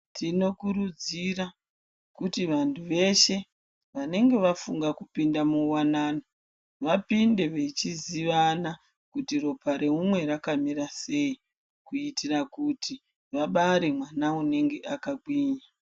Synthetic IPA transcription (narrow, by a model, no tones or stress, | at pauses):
tʰino̞kuɾud͡zira | kutiʋantʰuʋe̞ʃe̞ | ʋane̞ŋɡe̞ʋafuŋɡakupindamuwanaːno | ʋapinde̞ʋe̞t͡ʃiziʋana | kutiro̞pʰaɾe̞umwe̞rakamiɾase̞i | kuitirakutʰi | ʋaɓaɾe̞mwanaune̞ŋɡe̞ʔakaɡ͡bwiːɲa